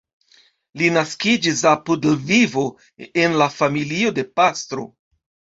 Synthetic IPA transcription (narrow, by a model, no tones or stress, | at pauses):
linaskid͡ʒis̬apudvivo̞ | e̞nlafamilio̞de̞pastɾo̞̰